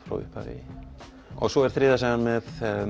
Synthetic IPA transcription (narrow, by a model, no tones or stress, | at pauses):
fɾa̰wʏ̰hpa̰ɾɪ̰ | ɔ̰ɣsɔɛɾ̥θɾɪːðasɛanmɛð